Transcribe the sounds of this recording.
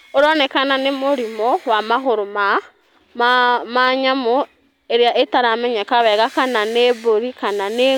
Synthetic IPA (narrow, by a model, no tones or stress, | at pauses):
oɾonekananemuɾimowamaxoɾoma | mamaɲamo | eɾjaʔetaɾamɛɲekaβɛɣakananeβoɾikanane